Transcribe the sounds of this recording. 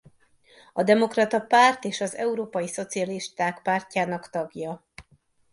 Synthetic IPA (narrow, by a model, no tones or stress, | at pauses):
ɒd̪ɛmo̞krɒt̪ɒpaːrt̪eːʃɒzɛ̰uɾoːpɒjiso̞t̪siɒliʃt̪aːkpaːrcaːnɒkt̪ɒɡjɒ